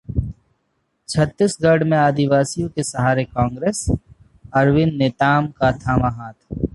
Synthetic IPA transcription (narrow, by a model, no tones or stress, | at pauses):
t͡ʃʰɐt̪ːɪsɡɐɾɽmẽaːd̪ɪʋaːsijõkesɐɦaːɾekãːŋɡɾeːs | ɐɾwɪnːet̪aːmkat̪ʰaːmaɦaːt̪ʰ